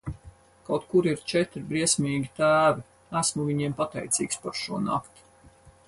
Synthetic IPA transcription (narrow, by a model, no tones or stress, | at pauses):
kawt̪kuɾiɾt͡ʃɛt̪ɾibɾiɛsmʲiːɡʲit̪æːvi | æsmuviɲiɛmpat̪ɛ̰jt̪sʲḭːkspaɾʃuɔna̰kt̪i̥